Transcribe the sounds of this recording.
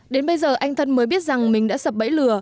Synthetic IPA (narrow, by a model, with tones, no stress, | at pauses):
ɗe˨˦nɓə˧jzəː˨˩ʔa˧jŋ̟t̪ʰə˧nməː˨˦jɓi˦˥ət̚za˨˩ŋmï˨˩ŋ̟ɗa̰ː˧˥sə˨˩p̚ɓə̰˧˥jlɨ˨˩ə